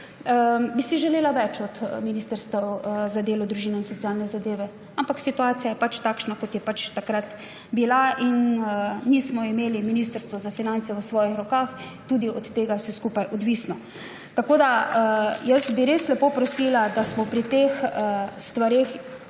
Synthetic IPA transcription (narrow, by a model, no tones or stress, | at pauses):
bisiʒɛleːlaʋɛt͡ʃɔt̪miniːst̪əɾst̪ʋɛwzad̪eːlɔd̪ɾuʒiːnɛinsɔt̪siaːlnɛzad̪eːʋɛ | ampaksit̪uaːsijajɛpat͡ʃt̪akʃnakɔt̪jɛpat͡ʃt̪akɾat̪ | bilaʔinniːsmɔimeːliminiːst̪əɾst̪ʋɔzafinant̪sɛʋəsʋɔːjixɾɔkaːx | t̪ud̪iɔt̪ːeːɡawsɛskupajʔɔd̪ʋiːsnɔ | t̪akoːd̪a | jəsbiɾeslɛpopɾɔsilad̪asmɔpɾit̪exst̪ʋaɾeːx